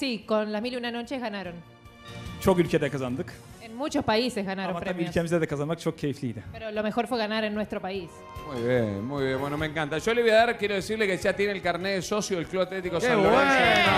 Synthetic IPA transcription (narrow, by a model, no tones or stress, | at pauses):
sikonlazmiliunano̞t͡ʃeɣanaɾo̞n | t͡ʃokylʲcʲet̪ekazand̪ɯk | enmut͡ʃo̞spaise̞zɣanaɾompɾeamiylokemiz̬eðekazanmak̚t͡ʃʰokʰːeiflid̪apeɾolo̞me̞xo̞ɾfweɣanaɾenːwest̪ɾo̞pais | mujβjenmujβjenbwenomẽŋkant̪aʒoleβojaðaɾkjeɾoðesiɾlekeʒat̪jenelkaɾneesosjoelkluβat̪let̪ikosoe